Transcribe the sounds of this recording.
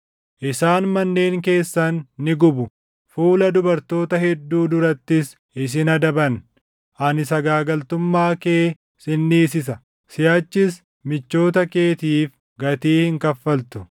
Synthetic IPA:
ʔɪsaːnmɐnːe̞ːŋke̞ːsːɐnːɪɡʊbʊ | fuːlɐd̪ʊbɐɾt̪o̞ːt̪ɐhɛd̪ːuːd̪ʊɾɐt̪ːɪs | ɪs̬ɪnɐd̪ɐbɐn | ʔɐnɪsɐɡaːɡɐlt̪ʊmːaːke̞ː | sɪnːiːsɪs̬ɐ | sɪjaːt͡ʃːɪs | mɪt͡ʃːo̞ːt̪ɐke̞ːt̪iːf | ɡɐt̪iːhɪŋkɐfːɐlt̪ʊ̥

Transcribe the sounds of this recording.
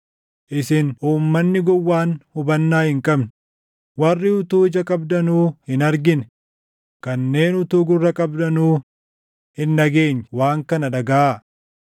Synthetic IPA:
ʔɪsɪnuːmːɐnːɪɡɔwːaːnhʊbɐnːaːhɪŋkʼɐbn | wɐrːɪʊt̪uːɪd͡ʒɐkʼɐbd̪ɐnuːhɪnɐɾɡɪn | kɐnːe̞ːnʊt̪uːɡʊrːɐkʼɐbd̪ɐnuː | hɪnːɐɡe̞ːɲːwaːŋkɐnɐᶑɐɡaa

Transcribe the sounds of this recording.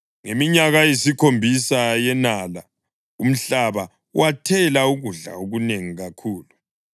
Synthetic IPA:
ŋemiɲaɣajesikʰombʱisajɛnala | um̩ɬaβa | wʔatʰɛlauɣuɮa̰oɣuneŋiɣakʰuːlu

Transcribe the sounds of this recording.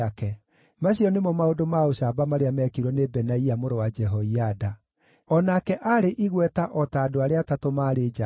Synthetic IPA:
akɛ | maɕiɔnemɔmaodomaoɕabamaɾeamɛkiɾwɔnebɛnaiamoɾowad͡ʒɛɦɔiada | ɔnakɛʔaɾeʔiɣwɛtaʔɔtaːdoaɾeatatomaːɾed͡ʒa

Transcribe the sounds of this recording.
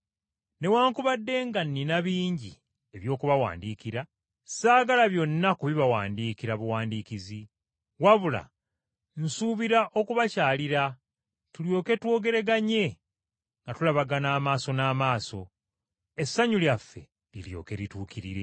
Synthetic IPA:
ne̞waːŋkuβadːe̞ŋɡanːinaβiːɲɟḭ | e̞βjo̞ːkuβawa̰ːndiːkiɾa | saːɡalaβjo̞nːakuβiβawaːndiːkiɾaβuwaːndiːkizi | waβula̰ | n̩suːβiɾaʔo̞kuβacaːliɾa | tuljo̞ːke̞two̞ːɡe̞ɾe̞ɡaɲe̞ | ŋɡatulaβaɡanaːmaːso̞naːmaːso̞̰ | e̞sːaɲuljafːe̞̰ | lḭljo̞̰ːke̞ɾituːkiɾḭɾe̞̰

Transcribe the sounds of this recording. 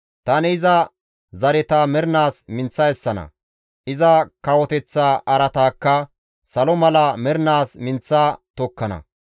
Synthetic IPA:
t̪ɐnɛɪzɐ | zɐɾɛt̪aːmɛɾnaːsmɪnt͡sːɐjɛsːɐnɐ̰ | ʔɪzɐkɐwɔt̪ɛt͡sːaːʔɐɾɐt̪aːkːɐ | sɐlɔmɐlɐmɛɾnaːsmɪnt͡sːaːt̪ɔkːɐnɐ̰

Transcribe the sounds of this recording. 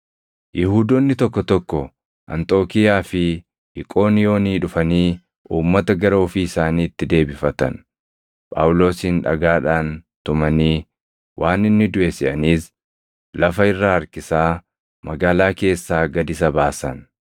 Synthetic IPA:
jɪhuːd̪ɔnːɪt̪ɔkːɔt̪ɔkːɔ | ʔɐ̰nt̪ʼo̞ːkɪjaːfɪ | ɪkʼo̞ːnɪjo̞ːniːᶑʊfɐniː | uːmːɐt̪ɐɡɐɾɐɔfiːɪsaːniːt̪ːɪd̪e̞ːbɪfɐt̪ɐ̰n | pʼa̰ːwʊlo̞ːsinᶑɐ̰ɡaːᶑaːnt̪ʊmɐniː | wʔaːnɪnːɪd̪ʊʔesɪʔɐniːs | lɐfɐɪrːaːɐɾkɪsaː | mɐɡaːlaːke̞ːsːaːɡɐd̪ɪsɐbaːsɐn

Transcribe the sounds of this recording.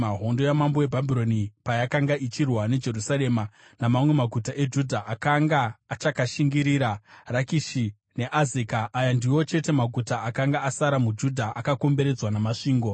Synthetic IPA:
maɦo̞ndo̞jamambo̞we̞bʱabʱiɾo̞nipajakaŋɡaʔit͡ʃirwane̞d͡ʒe̞rusaɾe̞ːma | namamwe̞maɡʱutaʔe̞d͡ʒudʱaʔakaŋɡaːt͡ʃakaʃiŋɡiɾiɾarakiʃi | ne̞ʔazikaʔːjandiwo̞t͡ʃe̞te̞maɡʱutaakaŋɡaasaɾamud͡ʒudʱaʔakako̞mbe̞ɾe̞d͡zwanamaʂiːŋɡo̞

